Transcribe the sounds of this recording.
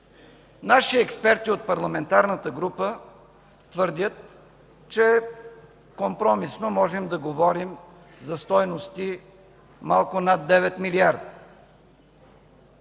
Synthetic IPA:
naʃiɛkspɛɾt̪iot̪̚pɐɾlˠɐmɛnt̪aɾnət̪əɡɾupə | t̪vɤɾd̪ʲjət̪ | t͡ʃɛ | kompɾɔmisnomɔʒɛmd̪ɐɡovɔɾim | zɐst̪ɔjnost̪i | malˠkʊnad̪ːɛvɛt̪miliaɾd̪

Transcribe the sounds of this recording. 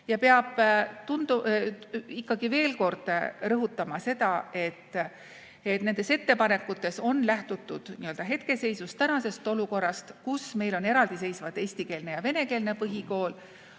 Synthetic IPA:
jɑpeɑb̥t̪und̪̥u | ikːɑɡive̞ːlko̞rd̪̥rɤɦut̪ːˑɑmɑse̞d̪̥ɑe̞t̪ː | et̪ne̞nd̪e̞se̞t̪ːe̞pɑne̞kːˑut̪ːˑe̞so̞nlæht̪ut̪ːˑud̪̥niøld̪ɑɦe̞t̪ke̞se̞jsust̪ænɑse̞st̪o̞luko̞rːɑst̪kusme̞jlo̞ne̞ɾɑld̪̥ise̞jsvɑt̪ːe̞ːsʲt̪ike̞ːlne̞jɑve̞ne̞ke̞ːlne̞pɤɦiko̞ːl

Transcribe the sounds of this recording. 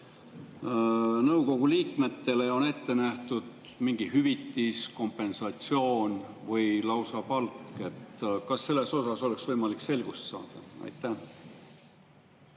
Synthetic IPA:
nɤwko̞ɡ̥uliːkme̞t̪ːe̞le̞o̞ne̞t̪ːe̞næht̪ud̪̥ | miŋɡ̥ihyvit̪ːˑisko̞mpːˑe̞nsɑt̪sio̞ːnvɤjlɑwsɑpɑlkːˑe̞t̪kɑsːe̞lːe̞so̞sɑso̞le̞ksvɤjmɑlikse̞lɡ̥ust̪sɑ̰ːd̪̥ɑɑ̰jt̪ːæ

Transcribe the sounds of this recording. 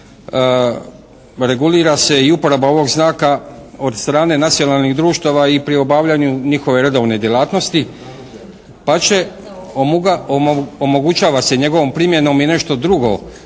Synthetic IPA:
ɾe̞ɡuliːɾase̞iupo̞ɾabao̞ʋo̞ɡznaːkao̞d̪st̪ɾaːne̞nat̪sijo̞nalˠniɣd̪ɾuːʃt̪aʋaipɾio̞baːʋʎaɲuɲixo̞ʋe̞ɾe̞d̪o̞ʋne̞d̪je̞laːt̪no̞st̪i | pat͡ɕe̞ | omo̞ɡut͡ʃaːʋase̞ɲe̞ɡo̞ʋompɾimje̞no̞mine̞ʃt̪o̞d̪ɾuɡo̞̰

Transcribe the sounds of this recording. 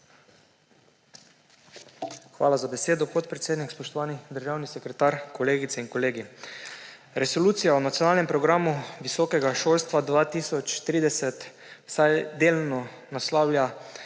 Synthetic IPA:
xʋaːlazabɛseːd̪ɔpɔt̪̚pɾɛt̪seːd̪nikspɔʃt̪ɔʋaːnid̪əɾʒawnisɛkɾɛt̪aɾkɔleːɡit̪sɛiŋkɔleːɡi | ɾɛsoluːt̪sijaunat̪sijɔnaːlnɛmpɾɔɡɾaːmuʋisɔkɛɡaʃoːlst̪ʋad̪ʋaːt̪iːsɔt͡ʃt̪ɾiːd̪ɛsɛt̪ | wsajd̪eːlnɔ | naslaːwlʲja

